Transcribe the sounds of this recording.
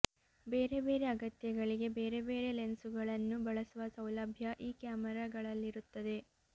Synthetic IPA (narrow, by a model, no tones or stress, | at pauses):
be̞ːɾe̞be̞ːɾe̞ɐɡɐt̪jɐɡɐɭiɡe̞be̞ːɾe̞be̞ːɾe̞lensuɡɐɭɐnːubɐɭɐsuʋɐsɐwlɐbʱjɐʔiːkjaːmɛɾaːɡɐɭɐlːiɾut̪ːɐd̪e̞